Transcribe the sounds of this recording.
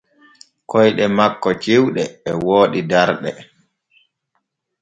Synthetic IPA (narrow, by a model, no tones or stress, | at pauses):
kɔjɗɛmakːɔt͡ʃewɗɛːwoːɗidaɾɗɛ